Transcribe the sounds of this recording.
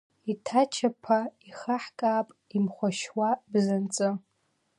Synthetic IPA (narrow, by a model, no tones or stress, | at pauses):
itʰat͡ʃʰapʰaiχaħkʼaːpʼimχʷaʃwabzant͡sʼɨ